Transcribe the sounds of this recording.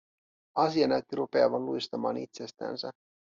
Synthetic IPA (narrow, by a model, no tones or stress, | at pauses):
ɑsiɑnæɥt̪ːiɾupe̞ɑʋɑnlujst̪ɑmɑːnḭt̪sest̪æ̰ːnsæ